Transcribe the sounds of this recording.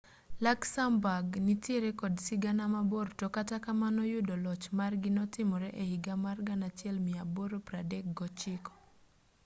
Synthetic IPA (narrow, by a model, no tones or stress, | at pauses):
laksambaɡnɪtjɛɾekɔdsɪɡanamabortɔkatakamanɔjʊdɔlɔt͡ʃmarɡɪnɔtɪmɔɾɛʔehiɡamarɡanat͡ʃjɛlmɪaboɾopɾadɛk̚ɡɔt͡ʃɪkɔ̥